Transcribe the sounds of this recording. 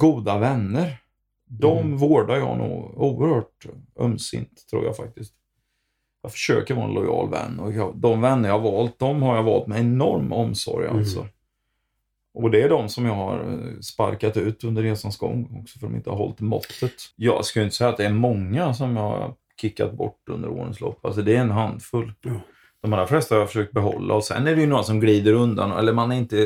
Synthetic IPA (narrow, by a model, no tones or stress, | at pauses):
ɡuːd̪avɛnːəɾ | d̪ɔmvoːɖaɾjɑːnṵːɡuːəɾhœːʈ̚ɵ̰msɪ̰nt̪ʰːɾṵːja̰fak̚t̪ɪskt̪ | jɑːfœ̥ʂøːkəɾvɑːɛ̰nlɔjɑ̰ːlvɛ̰nːɔjɑd̪ɔmvɛnːəɾjɑːhavɑːlt̪̚d̪ɔmhaɾjavɑːlt̪mɛjɛnɔɾmɔmsɔ̰ɾjalt̪sɔ̰ | ʔɔd̪ɛæɖɔmsɔmjɑːɡhaɾspaɾkat̪ʉ̟ːt̪ɵnd̪əɾːeːsansɡɔ̰ŋːɔksɔ̥fœɖɔmɪ̰nt̪əhaɾɦɔ̰lt̪mɔ̰t̪ːət̪jɑːskaljʏɪnt̪əsɛjːat̪̚d̪ɛːɾmɔŋːas̬ɔmjɑːha̰ | kʰɪkːa̰t̪̚bɔʈːɵ̰nd̪əɾo̰ːnɪ̰ŋslɔpːa̰ls̬ɔd̪ɛɛnɦand̪fɵlː | d̪̥ɔmalɾaflɛst̪ahaɾjafœʂøːk̚t̪̚bɛɦɔlːa̰ɔsɛ̰nːæɖɛjɵnuːɾasɔmɡliːd̪əɾɵnd̪anɛ̰lːəɾmanɛɾɪnt̪ə